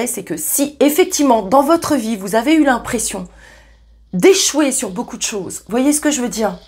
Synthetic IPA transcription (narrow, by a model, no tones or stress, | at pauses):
ɛsɛkəsiefɛk̚t̪ivmɑ̃d̪ɑ̃vɔt̪χəvivuzaveylɛ̃pχesjɔ̃ | d̪eʃwesyʁbokud̪əʃoːzvwajesə̥kəʒəvød̪iːʁ